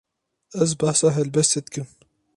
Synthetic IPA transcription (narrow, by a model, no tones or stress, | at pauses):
ɛzbahsɑːɦɛlbɛst̪et̪kɨm